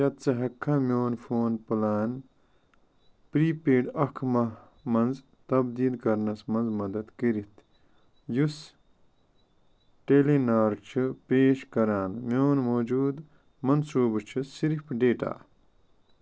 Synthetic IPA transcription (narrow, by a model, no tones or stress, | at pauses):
jɐt̪̚t͡sɨɦɐkʰːamʲjoːnfʰoːnpulaːn | pɾiːpeːɖɐkʰmɐ | mɐnz | t̪ɐbd̪iːlkɐɾnɐsmɐnzmɐd̪ɐd̪kiɾit̪ʰ | jus | ʈelinaːɾt͡ʃʰɨpeːʃkɐɾaːnmjoːnmoːd͡ʒuːd̪ | mɐnsuːbɨt͡ʃʰɨsiɾipɖeːʈa̰ː